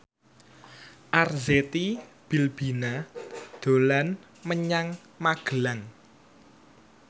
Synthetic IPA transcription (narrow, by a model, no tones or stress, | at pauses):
ʔarzet̪i | b̥i̤lb̥i̤nad̪̥o̤lan | məɲaŋ | maɡ̥əlaŋ